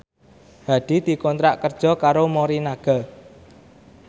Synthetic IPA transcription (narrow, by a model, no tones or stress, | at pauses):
haɖ̥i̤d̪̥i̤kɔnt̪ɾaʔkərd̥ʒ̥ɔ̤kaɾomoɾinaɡ̥a